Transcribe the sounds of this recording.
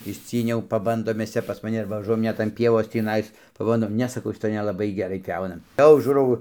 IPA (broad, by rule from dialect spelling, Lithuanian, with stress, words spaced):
ɪʃʲˈt͡sʲiːnʲɛʊ pɐˈbɐndoːm ˈmʲɛs ˈt͡sʲɛ pɐs mɐˈnʲɪ ɐrbɐ ʋɐˈʒuɔjɛm ˈnʲɛt ɐn ˈpʲiɛʋoːs tʲiːˈnɐɪs pɐˈbɐndoːm ˈnʲɛ sɐˈkɐʊ ʃʲɪˈtoːj nʲɛlˠɐˈbɐɪ ɡʲɛˈrɐɪ ˈpʲjɛʊnɐ ˈjɛʊ ˈʒuːrɐʊ